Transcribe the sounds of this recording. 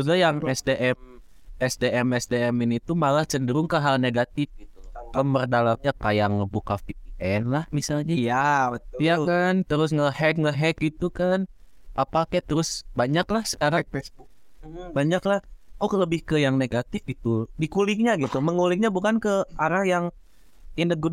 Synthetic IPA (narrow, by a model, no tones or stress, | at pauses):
udajaŋɛsdeʔɛm | ɛsdeʔɛmɛsdeɛminit̪umalat͡ʃəndəɾʊŋkəɦalneɡat̪ɪfɡit̪̚uəmbərdalamɲakajaŋːəbukafip̚iʔɛnlahmisalɲajabət̪jakant̪əɾʊs̬ŋəhɛd̚ŋəɦɛt̪̚ɡit̪ukan | apakajat̪əɾʊsbaɲaklahsəkaɾat̪̚fɛsbubaɲaklahokələbɪhkəjaŋneɡat̪ɪfɡit̪udikulɪk̚ɲaɡit̪uməŋulɪkɲabukankəaɾahjaŋ | inəɡu